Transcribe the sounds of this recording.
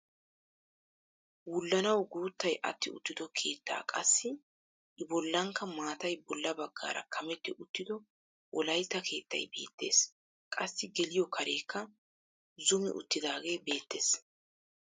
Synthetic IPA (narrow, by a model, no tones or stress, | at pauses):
wʊlːɐnɐwɡuːt̪ːɐjʔɐ̰t̪ːɪʊ̰t̪ːɪd̪ɔkʰe̞ːt̪ːa̰ːkʼɐ̰sːɪ | ʔɪbɔlːɐŋkːɐmaːt̪ɐjbɔlːɐbɐɡːa̰ːɾɐ̰kʰɐmɛt̪ːɪʔʊt̪ːɪd̪ɔ | wʔɔlɐjt̪ːɐkʰe̞ːt̪ːɐ̰jbe̞̰ːt̪ːe̞̰ːs | kʼɐsːɪɡɛlɪjɔkʰɐɾe̞ːkʰːɐ | zʊmɪ̰ʔʊ̰t̪ːɪd̪aːɡe̞ːbe̞ːt̪ːe̞ːs